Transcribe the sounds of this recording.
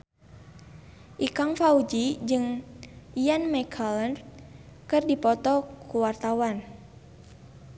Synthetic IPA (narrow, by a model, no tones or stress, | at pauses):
ʔikaŋfaud͡ʒid͡ʒɨŋijanmakʰalənrkɨrdipɔt̪ɔkuwart̪awan